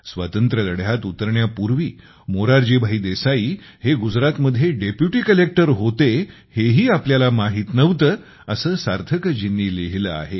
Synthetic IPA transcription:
sʋa̰t̪ənt̪ɾələɽjat̪ut̪əɾɳjapuɾʋiː | moɾaɾd͡ʑiːbʱaɦiːd̪esaiː | heɡud͡zɾat̪məd̪ʱjeɖepjuʈiːkəlek̚ʈəɾɦot̪e | heɦiːapljalamaɦiːt̪nəʋt̪əː | əsəːsaɾt̪ʰəkəd͡ʑinːiːleɦilə̰a̰ɦe

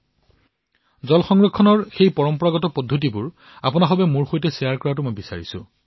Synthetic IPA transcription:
zɔlxɔŋɹɔkʰːɔnɔɹxejpɔɹɔmpɔɹaɡɔtɔpɔdʱːotibʊɹ | apʊnaxɔbɛmuɹxojtɛsijaɹkɔɹatʊmojbisa̰ɹisʊ̰

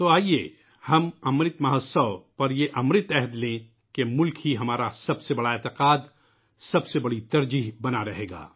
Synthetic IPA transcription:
t̪oaːieː | hɐmɐmɾɪt̪mɐɦəsəʋpɐɾjeʔɐmɾɪt̪ɛɦd̪lẽ | kemʊlkɦiɦɐmaːɾasɐbsebɐɽaeːt̪ɪqaːd̪ | sɐbsebɐɽit̪ɐɾd͡ʒiːɦbɐnaɾɐɦeːɡa̰ː

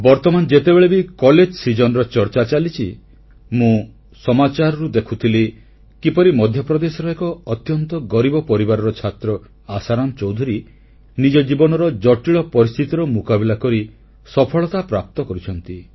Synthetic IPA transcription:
bɔɾt̪ɔmanɔd͡ʒet̪ebeɭebikɔled͡ʒsid͡ʒɔnɔɾɔt͡ʃɔɾt͡ʃat͡ʃalit͡ʃʰi | mũ | sɔmat͡ʃaɾɔɾud̪ekʰut̪ʰile | kipɔɾimɔd̪ʱjɔpɾɔd̪esɔɾɔekɔːt̪jɔnt̪ɔɡɔɾibɔpɔɾibaɾɔɾɔt͡ʃʰat̪ɾɔ | asaɾɔnt͡ʃɔwd̪ʱuɾi | nid͡ʒɔd͡ʒibɔnɔɾɔd͡ʒɔʈiɭɔpɔɾist̪ʰit̪iɾɔmukabilakɔɾi | sɔpʰɔɭɔt̪apɾap̚t̪ɔkɔɾit͡ʃʰɔnt̪i

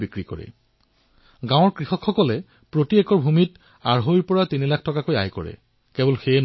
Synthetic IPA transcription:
bikɹikɔ̰ɹɛ̰ | ɡãw̃ɔɹkɹixɔkʰxɔkɔlɛ | pɹotiɛkɔɹbʱumit | aɹɦojɹpɔɹatinilakʰtɔkakoja̰jkɔ̰ɹɛ̰ | kebɔlxen

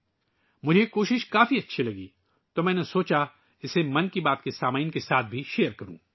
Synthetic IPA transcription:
mʊd͡ʒʱekoːʃɪʃkaːfiɐtːʃʰilɐɡiː | t̪omɛ̃ːnesoːt͡ʃa | ɪsemɐ̃nkibaːt̪kesaːmaːinkesaːt̪̚ʰbʱiʃeːəɾkɐɾṵ̃ː

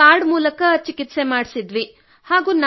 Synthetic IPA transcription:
aːɾɖmuːlɐkɐt͡ʃikit̪se̞maːɽsid̪ʋi | haːɡuːna

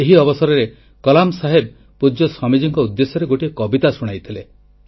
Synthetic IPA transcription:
eɦiɔbɔsɔɾɔɾe | kɔlamsaɦeb̚ | pud͡ʒɔsɔmid͡ʒiŋkɔud̪ːesɔɾeɡoʈiekɔbit̪asuɽ̃ajt̪ʰile

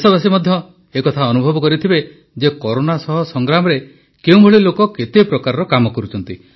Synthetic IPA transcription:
sɔbas̬imɔd̪ʱjɔ | ekɔt̪ʰaɔnubʱɔbɔkɔɾit̪ʰibe | d͡ʒekɔɾonasɔɦɔsɔŋɡɾamɔɾe | keũbʱoɭilokɔket̪epɾɔkaɾɔɾɔkamɔkɔɾut͡ʃʰɔnt̪i

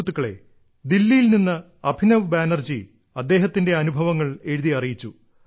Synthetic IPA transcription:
t̪ːukːɐɭe̞̰ | d̪ilːijilninːɨ | ɐbʱinɐʋbaːnɐrd͡ʑi | ɐd̪ːe̞ːɦɐt̪ːinde̞ɐnubʱɐʋɐŋːɐɭe̞ɻuðiɐrijit͡ɕːu

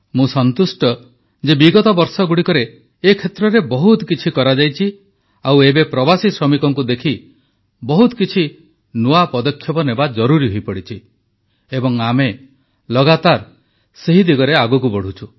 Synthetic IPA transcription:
mũsɔnt̪usʈɔ | d͡ʒebiɡɔt̪ɔbɔɾsɔɡuɽikɔɾeː | kʰet̪ɾɔɾebɔɦut̪ɔkit͡ʃʰikɔɾad͡ʒajt͡ʃʰi | awebepɾɔbasisɾɔmikɔŋkud̪ekʰi | bɔɦut̪kit͡ʃʰi | nuapɔd̪ɔkʰːjɔbɔnebad͡ʒɔɾuɾiɦojpɔɽit͡ʃʰi | ebɔŋame | lɔɡat̪aɾ | seɦid̪iɡɔɾeaɡuk̬ubɔɽ̤ut͡ʃʰu

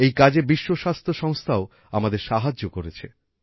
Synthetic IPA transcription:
ejkad͡ʑebiʃːoʃast̪ʰoʃɔŋst̪ʰao | amad̪eɾʃaɦad͡ʑːokoɾet͡ɕʰe

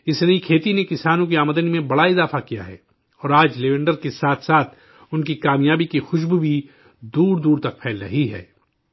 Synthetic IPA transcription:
ɪsnɐĩkʰeːt̪inekɪsaːnõk̬iaːməd̪ənimẽbɐɽaɪzaːfakija̰ɦɛ̰ː | ɔːɾaːd͡ʒleʋẽɳɖəɾkesaːt̪ʰsaːt̪ʰ | ʊnkikaːmjaːbikixʊʃ̬bbʱi | d̪uːɾd̪uːɾt̪ɐk̚pʰɛːlɾɐɦiɦɛ̰ː

